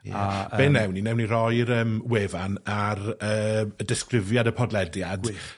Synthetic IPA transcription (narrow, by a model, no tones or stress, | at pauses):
abeːnɛwninɛwnirɔjɾəːmweːvanaɾəːədɪskrɪvjadəpʰɔdlɛdjad